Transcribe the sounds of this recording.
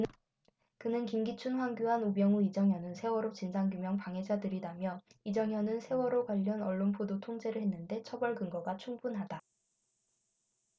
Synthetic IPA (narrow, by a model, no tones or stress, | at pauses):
kɯnɯnkimɡit͡ɕʰunɸwaŋɡjuɦanubjʌŋuid͡ʑʌŋɦjʌnɯnsʰe̞wʌɾot͡ɕind͡ʑʰaŋɡjumjʌŋpaŋɦe̞d͡ʑadɯɾidamjʌid͡ʑʌŋɦjʌnɯnsʰe̞wʌɾokwaʎːʌnʌɭːonpʰodotʰoŋd͡ʑe̞ɾɯɭɦenːɯnde̞t͡ɕʰʌbʌɭɡɯŋɡʌɡat͡ɕʰuŋbunɦada